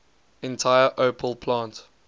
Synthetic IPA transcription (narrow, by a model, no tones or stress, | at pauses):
ɛ̃ntʰaɪəʔopʰəlpʰlãnt